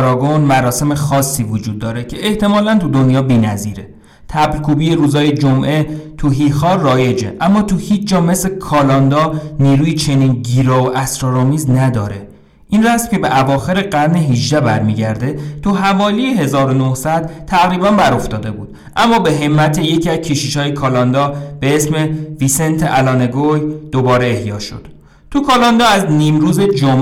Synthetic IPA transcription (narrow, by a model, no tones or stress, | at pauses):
ɾɒːɡonmæɾɒːse̞mexɒːsːiːvod͡ʒuːd̪̚ːɒːɾe̞cʰe̞ʔeht̪e̞mɒːlænt̪ud̪onjɒːbiːnæziːɾe | t̪ʰæblkʰuːbijeɾuːzɒːjed͡ʒomʔe̞t̪ʰuɦixɒːrɒːje̞d͡ʒe̞̰ʔæmːɒːt̪ʰuhiːt͡ʃʰd͡ʒɒːme̞slekʰɒːlɒnd̪ɒːniːɾuːjit͡ʃʰe̞niːnɟiːɾɒːoʔæsɾɒɾɒːmiːznæd̪ɒːɾe̞ | ʔinræsmce̞beʔævɒːxe̞ɾeɢæɾneɦiʒd̪æbæɾmiːɟæɾd̪e̞t̪ʰuɦævɒːlijeɦe̞zɒːɾo̞nohsæd̪̥̚t̪ʰæɣɾiːbæmbæɾo̞ft̪ɒːd̪e̞bṵːd̪̥ | ʔæmːɒːbe̞ɦe̞mːæt̪ʰeje̞cʰiæzcʰeʃiʃɒːjekʰɒlɒnd̪ɒːb̥eesmeviːsent̪ʰeʔælɒːne̞ɡojd̪̥obɒːɾe̞ehjɒ̰ːʃo̰d̪̥ | t̪ʰukʰɑlɒnd̪ɒːæzniːmɾuːze̞d͡ʒom